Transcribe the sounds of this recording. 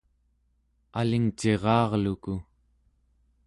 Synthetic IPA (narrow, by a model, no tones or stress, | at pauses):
aliŋt͡ʃe̞ʁɑːʁluku